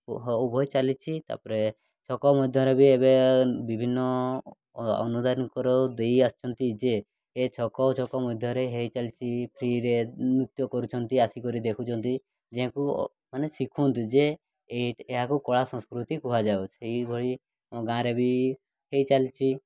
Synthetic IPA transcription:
ɦubʱɔjt͡ʃalit͡ʃʰit̪a̰pɔɾe | t͡ʃʰɔkɔmɔd̪ʱjɔɾebiebebibʱinːɔ | ɔ̰nud̪aɾnkɔɾɔd̪ejast͡ʃʰɔnt̪id͡ʒeː | t͡ʃʰɔkɔt͡ʃʰɔkɔmɔd̪ʱjɔɾeɦejt͡ʃalit͡ʃʰipʰɾiɾemɾut̪jɔkɔɾut͡ʃʰɔnt̪iasikɔɾid̪ekʰut͡ʃʰɔnt̪i | d͡ʒeɦãku | manesikʰunt̪ud͡ʒe | eʈeɦakukɔɭasɔ̃skɾut̪ikuɦad͡ʒawt͡ʃʰeibʱɔɭi | ɔ̃ɡãɾebi | ɦejt͡ʃalit͡ʃʰi

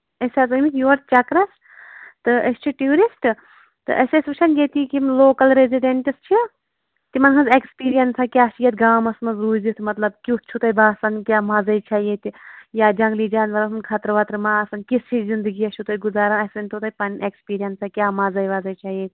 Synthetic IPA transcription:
ɐsɐzɐmikjoːɾt͡ʃɐkɾɐs | t̪ɨɐsʲt͡ʃʰiʈjuːɾisʈ | t̪ɨ̰ʔɐsesbɨt͡ʃʰɐnɡet̪ikimloːkɐlɾeziɖeɳʈist͡ʃʰi | t̪imɐnɦʰɐnzekspiːɾijɐnsakʲaːsijɐt̪ʲɡaːmɐsmɐnzɾuːzit̪ʰmɐt̪lɐbkut͡ʃʰut̪ɐjbaːsɐnkʲaːmaːzɐjt͡ʃʰajet̪ʲjaːd͡ʒɐŋɡlid͡ʒaːnʋɐɾɐsɐnkʰat̪ɾʋɐt̪ɾmaːɐsɐnkist͡ʃʰizind̪ɨɡiɐt͡ʃʰut̪ɐjɡuzaːɾɐnɐsɐnt̪ʰot̪ɐjpɐnʔekspiːɾijɐnsakʲaːmazɐjʋaːzɐjt͡ʃʰaːjet̪ʲ

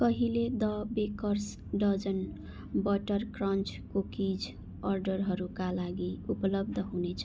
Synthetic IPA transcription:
kʌɦiled̪ʌbekʌrs | ɖʌd͡zʌn | bʌʈʌrkrʌnt͡skokid͡z | ʌrɖʌrɦʌɾukalaɡiupʌlʌb̚d̪ʱʌɦunet͡sʰʌ

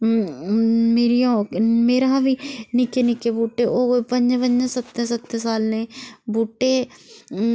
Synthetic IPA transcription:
meːɾijõmeːɾaːbiːnɪkenɪkeːbuːʈeːʔoːpəɲd͡ʒbəɲd͡ʒãsət̪ːẽsət̪ːesaːlnẽːbuːʈːeː

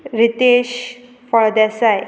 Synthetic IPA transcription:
ɾit̪eɕ | fəɭd̪asaj

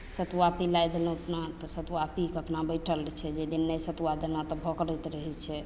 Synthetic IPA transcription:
sət̪uwapilajd̪elũəpnat̪ɔsət̪wapikəpnabəjʈʰəlt͡ʃʰɛd͡ʒed̪inːəjsət̪wad̪elat̪ɔbʱɔkɾəjt̪ɾəɦɛt͡ʃʰɛ

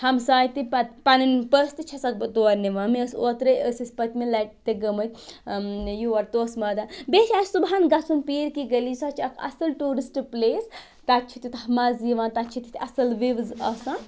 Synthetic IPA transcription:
hɐmsaːjt̪ipɐpanɐnpəst̪ɨt͡ʃʰɐsɐkbɐt̪oːɐɾniʋɐmeəsot̪ɾɐjəsisʲpɐt̪melɐʈ̚t̪eɡɐmɐt̪ʲ | juʋɐɾt̪oːsmɐd̪abeːt͡ʃʰaːsubɦaːnɡɐsunpiːɾkiɡəlisɐt͡ʃʰiɐkʰɐ̰sɐlʈuːɾisʈpleːs | t̪ɐt̪t͡ʃʰit̪it̪hɐmaːziʋãːnt̪ɐt͡ʃʰit̪it̪ɐsɐlʋiʋzɐsãn

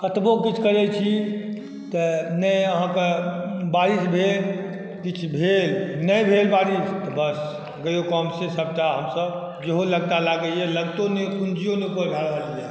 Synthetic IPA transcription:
kət̪bokit͡ʃʰkəɾɛt͡ʃʰi | t̪ənəjəɦãkebaɾisbʱel | kit͡ʃʰbʱelnəjbʱelbaɾist̪ɔbəs | ɡəjokɔmsesəb̚ʈaɦəmsəb | d͡ʒeɦoləɡt̪alaɡəjɛləɡt̪onekund͡ʒijõnepəɾbʱaɽbalija

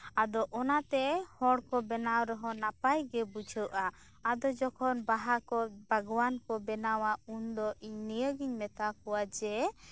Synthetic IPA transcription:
ad̪ɔʔɔnat̪ɛhɔɽkɔbɛnawɾɔɦɔnapajɡɛbud͡ʒʰʱəwʔa | ad̪ɔd͡ʒɔkʰɔnbaɦakɔbʱəɡwankɔbɛnawaund̪ɔʔiɲnijəɡiɲmɛt̪akɔwad͡ʒɛ

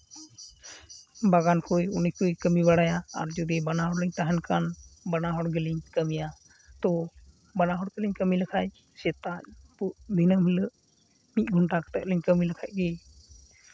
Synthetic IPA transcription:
baɡankujunikujkəmiβaɽajaa̰ɾd͡ʒud̪ibanaɦɔɽləɲt̪aɦɛnkanbanaɦɔɽɡəliɲkəmija | t̪ɔ | banaɦɔɽɡəliɲkəmiləkʰac̚ | sɛt̪aɲ̚puʔd̪ʱinəmhiləʔ | mit̪̚ˀɡʱuɳʈakə̥t̪əʔləɲkəmiləkʰac̚ˀɡɛ

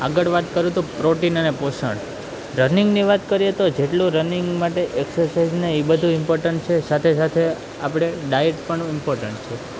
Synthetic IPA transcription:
aɡəɭʋat̪kəɾũt̪ũpɾoʈinəneposə̰ɳ | ɾəniŋɡniʋat̪kəɾijet̪od͡ʒeʈlũɾəniŋɡmaʈeʔeksəɾsaid͡ʒneibəd̪ʱũɪmpoɾʈəɳʈ̚t͡ʃʰesat̪ʰesat̪ʰe | apɽ̃eɖajeʈpəɳ̃ɪmpoɾʈəɳʈt͡ʃʰe

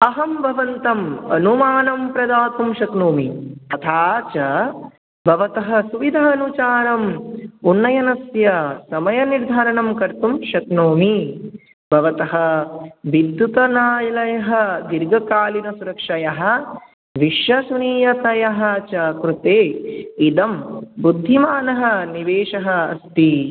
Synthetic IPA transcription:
ɐɦɐmbʱɐʋɐnt̪ɐmɐnumaːnɐmpɾɐd̪aːt̪umʃɐk̪noːmit̪ɐt̪ʰaːt͡ʃɐ | bʱɐʋɐt̪ɐɦɐ̆suʋid̪ʱaːɐnut͡ʃaːɾɐmunːɐjɐnɐsjɐsɐmɐjɐniɾd̪ʱaːɾɐɳɐmkɐɾt̪umʃɐt̪noːmi | bʱɐʋɐt̪ɐɦɐʋid̪jut̪ɐnaːjɐlɐjɐɦɐd̪iɾɡɐkaːlinɐsuɾɐkʂɐjɐɦɐ̆ | ʋiʂjɐsuniːjɐt̪ɐjɐɦɐt͡ʃɐkɾut̪eːid̪ɐmbud̪ʱːimaːnɐɦɐniʋeːʂɐɦɐːst̪i

